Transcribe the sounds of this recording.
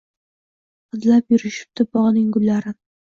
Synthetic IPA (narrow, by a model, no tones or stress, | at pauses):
qɨd̪lapjʊɾɪʃɪ̥p̚t̪ʰɪbɒʁnɪŋɡʊlːaɾɪn